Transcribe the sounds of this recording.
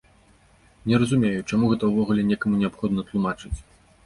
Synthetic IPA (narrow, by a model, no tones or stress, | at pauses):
nʲɛɾɐzumʲejut͡ʂamuɣɛt̪ɐwvɔɣulʲɛnʲɛkɐmunʲɛapxɔd̪nɐt̪lˠumat͡ʂɨt͡sʲ